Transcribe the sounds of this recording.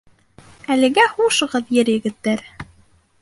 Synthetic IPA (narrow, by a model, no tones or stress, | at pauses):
ælɘ̆ɡæhuʃɤ̆ʁɤðjɘɾjɘ̆ɡɘ̆t̪ːæɾ